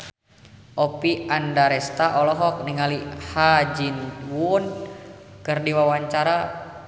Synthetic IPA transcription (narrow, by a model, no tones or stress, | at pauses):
ʔɔpiandaɾɛst̪aʔɔlɔɦɔk̚niŋalihad͡ʒinwun | kɨrdiwawaɲt͡ʃaɾa